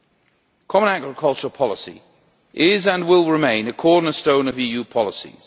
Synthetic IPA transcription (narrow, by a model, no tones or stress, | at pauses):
kʰɒmə̃ñaɡɹɪkʰʌlˠt͡ʃəlˠpʰɒlɪsḭ | ʔɪzə̃nwɪlˠɹɪmẽɪ̃nəkʰɔːdⁿn̩əstõʊ̃nəviːjʉːpʰɒlɪsḭz̥